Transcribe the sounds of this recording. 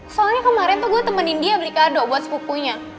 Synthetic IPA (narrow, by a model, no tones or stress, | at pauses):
salɲakəmaɾɛnt̪uɡuat̪əmənindiabəlikardoʔbuat̪sə̥pukuɲa